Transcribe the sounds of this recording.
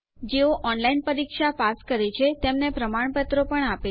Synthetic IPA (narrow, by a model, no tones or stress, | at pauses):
d͡ʒeoʔɔnlainpəɾikʃapaskəɾet͡ʃʰet̪emnepɾəmaɳpət̪ɾopəɳape